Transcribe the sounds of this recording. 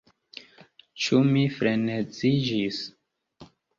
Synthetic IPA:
t͡ʃumifɾenet͡sid͡ʒis

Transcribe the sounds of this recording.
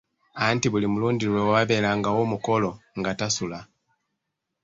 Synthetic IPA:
antiβulimuluːndiɾwewaβaβe̞ːlaŋɡawomukolo̞ŋɡatasula

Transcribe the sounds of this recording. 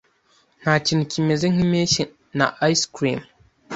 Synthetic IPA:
n̥at͡ʃinkʲimeziŋimeʃi | na̰ʔajskɾḭm

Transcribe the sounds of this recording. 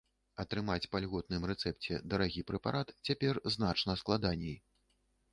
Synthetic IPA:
ɐt̪ɾɨmat͡sʲpalʲɣɔt̪̚nɨmrɛt̪sɛp̚t͡sʲɛ̰d̪ɐɾaɣʲipɾɛpaɾʔat̪t͡sʲapʲɛrzn̪at͡ʂnɐsklˠad̪anʲɛj

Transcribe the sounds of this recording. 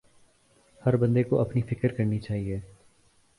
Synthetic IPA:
hɐɾbɐ̃nd̪ekoʔɐpnifɪkəɾkɐɾnit͡ʃaːɦieː

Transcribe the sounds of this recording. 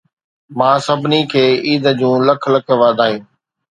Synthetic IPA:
mãːsəbʱɪnikʰeːiːd̪əd͡ʑũːləkʰləkʰʋaːd̪ʱaːɦiũː

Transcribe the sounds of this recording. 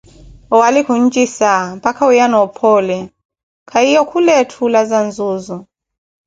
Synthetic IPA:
ɔwalikun̩d͡ʒisampakʰaujanɔpʰɔlɛ | kʰaijɔkʰulɛtʰulazanzuzɔ

